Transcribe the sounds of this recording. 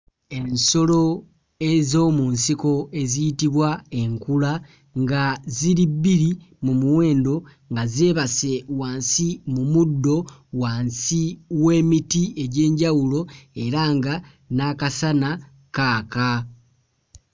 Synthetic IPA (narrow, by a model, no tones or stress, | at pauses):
e̞nso̞lo̞ | e̞zo̞ːmunsiko̞e̞zijitiβwae̞ŋkula | ŋɡaziɾibːiɾi | mumuwe̞ːndo̞ | ŋɡazeːβase̞waːnsimumudːo̞waːnsiwe̞ːmitie̞ɟe̞ːɲɟawulo̞e̞ɾaŋɡa | nakasana | kaːka